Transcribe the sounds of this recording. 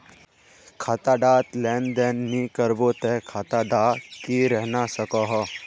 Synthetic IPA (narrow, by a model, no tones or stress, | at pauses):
kʰaːt̪aɖaːt̪lɛːnd̪ɛːnːikəɾbot̪ɛkʰaːt̪aɖaːkiɾɛɦnasəkɔɦɔː